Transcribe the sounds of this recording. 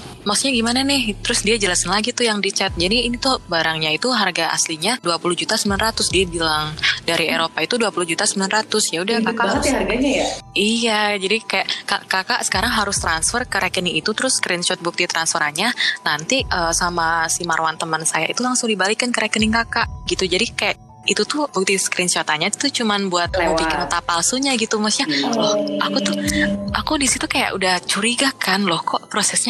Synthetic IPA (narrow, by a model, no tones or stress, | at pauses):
maksuɲaɡimananɪht̪əɾʊsdiad͡ʒəlasanlaɡit̪ʊjaŋdit͡ʃɛt̪̚d͡ʒadiːnit̪ʊhbaɾaŋɲait̪uɦarɡaʔa̰sliɲaduapuluhd͡ʒut̪asəmbilanrat̪ʊsdiabilaŋdaɾieɾopait̪uduapulʊhd͡ʒut̪asəmbilanrat̪ʊsjaudahkakaat̪iharɡaɲajaijad͡ʒadikajaʔka̰ʔkakaʔsə̥kaɾaŋɦaɾʊst̪ɾansfərkəɾɛkəniit̪ut̪əɾʊskɾɛnʃɔt̪̚buk̚t̪it̪ɾansfəɾaɲanant̪iʔəsamasimaɾwant̪əmənsajait̪ulaŋsʊŋdibalikankəɾakəniŋkakaʔɡit̪ud͡ʒadikajaʔ | it̪ut̪ʊhbuk̚t̪isə̥kɾinʃɔt̪aɲat̪t̪ut͡ʃumanbuat̪̚laməmpikɪnt̪apalsuɲaɡit̪umasɲalɔhʔakut̪ʊhʔakudisit̪ukaja̰ʔudaht͡ʃuɾiɡakanlɔhkɔʔpɾosɛsɲa